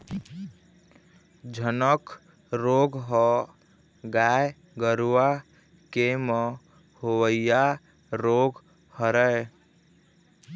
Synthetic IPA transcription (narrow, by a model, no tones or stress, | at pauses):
d͡ʒʱənək | ɾoɡɦɔ | ɡaj | ɡəɾuwa | kemə | howəija | ɾoɡ | həɾəe